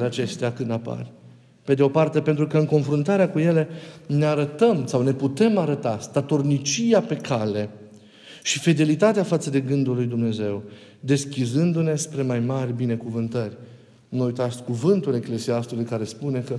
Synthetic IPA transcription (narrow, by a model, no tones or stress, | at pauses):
leat͡ʃe̞st̪eakɨnd̪apa̰rʲ | pe̞d̪eo̞part̪e̞pe̞nt̪ɾukəɨŋko̞nfɾunt̪aɾeakuje̞le̞ne̞aɾət̪əmsawne̞put̪e̞maɾət̪ast̪at̪o̞rnit͡ʃiape̞kʰale̞ | ʃifed̪e̞lit̪at̪eafat̪səd̪e̞ɡɨnd̪ulujd̪umne̞ze̞w | d̪e̞skʲizɨnd̪une̞spɾe̞majmarʲbine̞kuvɨnt̪ərʲ | nuujt̪asʲkuvɨnt̪ule̞kle̞siast̪ulijkaɾe̞spune̞kə